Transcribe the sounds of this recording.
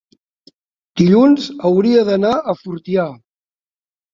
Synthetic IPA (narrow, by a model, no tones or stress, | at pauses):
d̪̥iʎunzəwɾiəðənaəfuɾt̪ia